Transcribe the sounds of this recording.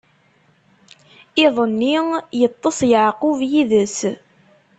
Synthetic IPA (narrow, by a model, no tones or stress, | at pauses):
ɪðˤənːijət̪ˤːəsˤjəʕqʊvjiðəs